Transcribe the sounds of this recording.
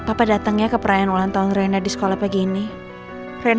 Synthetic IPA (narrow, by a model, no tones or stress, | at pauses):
papadat̪əŋɲakəpəɾajanulant̪aʊnrenadisə̥kolahpaɡini | re